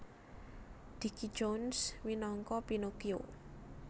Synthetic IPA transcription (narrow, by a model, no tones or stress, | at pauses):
d̪̥iki̥d͡ʒonswinɔŋkɔpinokio